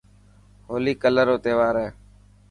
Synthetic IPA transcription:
ɦoːliːkələɾoːt̪eːʋaːɾeː

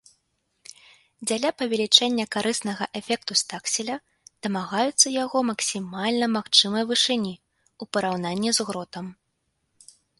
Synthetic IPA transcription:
d͡zʲalʲapɐvʲɛlʲit͡ʂɛnʲːɐkaɾʔɨsnɐɣɐʔɛfʲɛk̚t̪ust̪aksʲilʲɐ | d̪̥ɐmaɣajut̪sːɐjaɣɔmɐksʲimalʲnɐmaxt͡ʂɨmɐjvɨʂɨnʲi | upɐɾawnanʲːizɣɾɔt̪ɐm

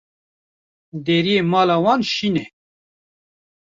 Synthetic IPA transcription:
d̪eːɾijemɑːlɑːwɑːnʃiːnɛ

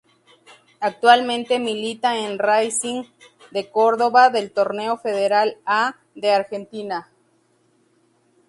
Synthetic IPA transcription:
ak̚t̪walmẽnt̪emilit̪aenrajsiŋ | d̪e̞ko̞ɾðo̞βaðe̞lt̪o̞ɾne̞o̞fe̞ðeɾala | ðeaɾxe̞nt̪ina

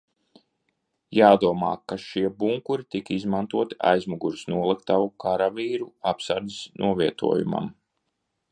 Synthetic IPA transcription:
jaːd̪uɔma̰ːkaʃiɛbuŋkuɾit̪ikizmant̪uɔt̪i̥a̰jzmuɡuɾsnuɔlˠik̚t̪aukaɾaviːɾuapsaɾd̪isnʔuɔviɛt̪ṵɔjṵma̰m

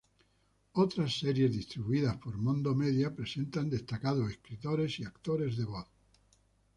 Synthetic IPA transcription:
ot̪ɾasːeɾje̞zðist̪ɾiβuiðaspo̞ɾmõnd̪omeðjapɾe̞se̞nt̪and̪e̞st̪akað̞oeskɾit̪oɾe̞siakt̪oɾe̞zðe̞βoθ

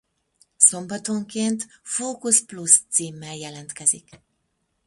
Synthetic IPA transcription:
so̞mbɒt̪o̞ŋkeːnt̪foːkusplust̪siːmːɛljɛlɛnt̪kɛzik

